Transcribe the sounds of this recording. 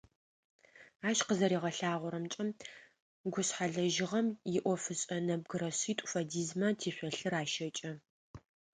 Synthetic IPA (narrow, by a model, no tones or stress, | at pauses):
aːʃqəzɐɾiːʁɐɬaːʁʷʊɾɐmt͡ʃʼɐm | ɡʷʊsħaɮɐʒɪʁɐmjɪʔʷɔfɨɕʼɐnɐb̚ɡɨɾɐɕiːtʷʼʊ̥fɐdiːzmɐtʰiːɕʷɔɬɨraːʃɐt͡ʃʼɐ